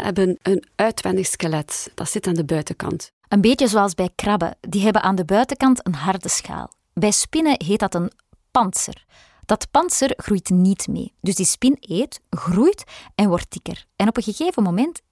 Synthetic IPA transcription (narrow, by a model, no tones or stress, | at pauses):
hɛ̰bənənœːtʋɛndɪxskəlɛtd̥ɑtsɪtaːndəbœɥtəkɑ̰nt | ʔəmbeːtjəzoːɑlˠzbɛjkrɑbə̰diːɦɛbənʔaːndəbœːtəkɑntənɦɑrdəsxa̰ːlˠ | bɛjspɪnəɦeːtdɑtən | pɑntsə̰r | d̥ɑtpɑnsərɣrujtnitmḛːd̥ɵzdispɪneːtɣrujtɛnwɔrtɪ̥kə̰rɛnɔpənɣəɣeːvəmomɛnt